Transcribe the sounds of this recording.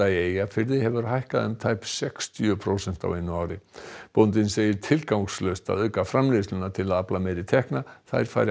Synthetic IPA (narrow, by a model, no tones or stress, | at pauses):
aieːjafɪɾðɪhɛvʏɾɦajhkaðʏmt̪ʰaːjpsɛkst̪jʏpʰɾoːwsɛn̥t̪a̰wɪnːʏaːwɾɪpownt̪ɪnseːjɪɾ̥t̪ʰɪlkawŋkslœst̪a̰ðœːkafɾamlejslʏnat̪ʰɪlaðaplameːɾɪt̪ʰɛhknaθa̰jɾ̥faːjɾɪ